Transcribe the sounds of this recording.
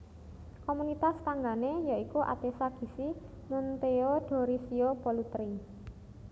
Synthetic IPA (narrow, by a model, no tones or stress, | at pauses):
komunit̪ast̪aŋɡanejaikuʔa̰d̪̥esaɡ̥i̤si | munt̪eoɖ̥ɔ̤ɾisiopolut̪ɾi